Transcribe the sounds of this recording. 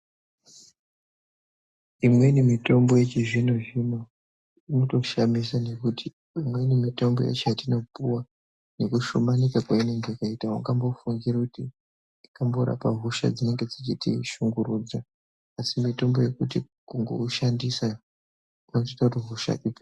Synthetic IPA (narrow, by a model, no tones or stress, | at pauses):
imwe̞inemito̞mbo̞je̞t͡ʃiʐinoʐimo | inoto̞ʃamisane̞kuti̥ | imwe̞inemito̞mbo̞ja̰t͡ʃeatino̞puwa | ne̞kuʃumanikakwaine̞ŋɡe̞jakaitauŋɡambo̞fuŋɡirakuti | ikambo̞ɾa̰paɦuʃa̰d͡zine̞ŋɡe̞d͡zit͡ʃitḭʃuŋɡuɾuːd͡za | asimito̞mbo̞je̞kut̬i | kuŋɡo̞̰uʃandisa | unotitautiɦuʃa̰ʔip